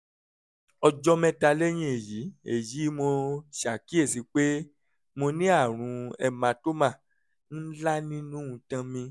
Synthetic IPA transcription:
ɔ˧d͡ʒɔ˦mɛ̃˦ta˧lɛ˦j̃ĩ˦e˨ji˨˦e˨ji˨˦mo˧ʃa˨ki˦e˦˨si˨˦k͡pe˦ | mo˧nĩ˦a˦˨ɾ̃ũ˨˦ɛ˧mã˧to˦mã˦˨ | n̩˦la˦nĩ˦nũ˦ũ˧tã˧mĩ˧

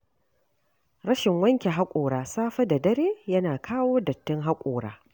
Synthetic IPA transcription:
ɾɐ˦ʃɪ˨ŋwɐ˦ŋkʲe˨ɦa˦kʷʼoː˨ɽaː˨saː˦ɸɐ˦da˨dɐ˦ɾeː˦jɐ˦naː˨kʰaː˦woː˦dɐ˨tːɪ˦ŋɦa˦kʷʼoː˨ɽa̰ː˦

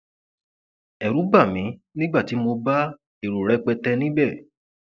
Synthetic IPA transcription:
ɛ˨ɾu˨˦ba˦˨mĩ˨˦nĩ˦ɡ͡ba˦˨ti˨˦mo˧ba˦ | e˨ɾu˨ɾɛ˨˦k͡pɛ˧tɛ˧nĩ˦bɛ˦˨

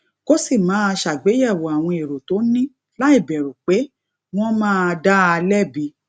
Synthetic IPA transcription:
ko˦si˦˨mãː˨˦˧ʃa˨ɡ͡be˨˦jɛ˦˨wo˨a˨w̃ɔ̃˧e˨ɾo˨to˨˦nĩ˦ | la˦i˦˨bɛ˨ɾo˨k͡pe˨˦ | w̃ɔ̃˦mãː˦˨˧da˦a˧lɛ˦˨bi˧

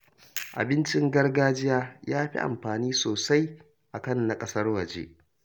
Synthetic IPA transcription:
ʔa̰˨bɪ˦nt͡ʃɪ˦ŋɡɐ˦rɡaː˦d͡ʒɪ˦jaː˦jaː˦ɸḭ˦ʔa̰˨mɸaː˨niː˦soː˨sa˦j | ʔa˨kɐ˦nːa˨kʼɐ˦sɐ˦rwɐ˨d͡ʒḛː˦ʔ

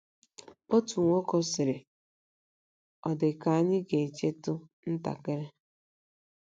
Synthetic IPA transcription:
o˦tu˨ŋʷo˦ko˦sɪ˨ɾɪ˨ | ɔ˨dɪ˨ka˨˦ɲɪ˦ɡe˨t͡ʃe˦tʊ˦n̩˦ta̰˨ke˦ɾe˦

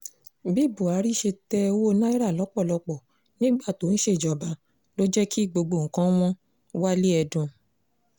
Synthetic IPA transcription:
bi˦˨bu˨a˨˦ɾi˦ʃe˧tɛ˦˧˦wo˦nã˦i˦ɾa˦˨lɔ˨˦k͡pɔ˦˨lɔ˧k͡pɔ˨ | nĩ˦ɡ͡ba˦˨to˨˦ñ̩˦ʃe˦˨d͡ʒɔ˨ba˨˦ | lo˦d͡ʒɛ˦kʰi˦˨ɡ͡bo˧ɡ͡bo˧˨ŋ̩˨kã˦w̃ɔ̃˦ | wa˦li˦ɛ˧dũ˧

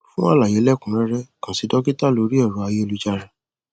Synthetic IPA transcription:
fũ˦a˦˨la˨je˨˦lɛ˦˨kũ˨˦ɾɛ˦ɾɛ˦kã˨si˨˧˦dɔ˦ki˦ta˦˨lo˨˦ɾi˦ɔ˦˨ɾu˨˦a˧je˦o˧lu˦d͡ʒa˧ɾã˨

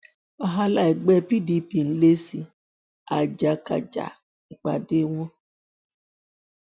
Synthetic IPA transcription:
a˦ɦa˦la˦˨i˨ɡ͡bɛ˦pi˦di˦pi˨n̩˦le˦si˨ | a˨d͡ʒa˨ka̰˨d͡ʒa̰˨ | ŋ͡m̩˨k͡pa˨de˦ŋʷɔ˦

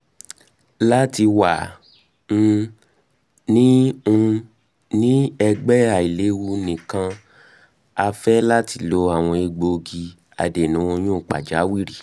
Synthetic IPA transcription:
la˦ti˧wã˨˧ | nĩ˦ũ˧ | nĩ˦ɛ˧ɡ͡bɛ˦a˨i˨le˨˦wu˧nĩ˨kã˧ | a˧fɛ˦la˦ti˧˦lo˧a˦˨w̃ɔ̃˧e˧ɡ͡bo˧ɡi˧ | a̰˧de˨nũ˨˦o˧j̃ũ˦˨k͡pa̰˨d͡ʒa˨˦wi˦ɾi˦˨

